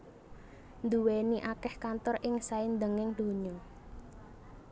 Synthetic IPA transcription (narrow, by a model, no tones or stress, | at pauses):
nd̪uweniʔakɛhkant̪ɔɾʔɪŋsaind̪əŋɪŋd̪̥o̤ɲɔ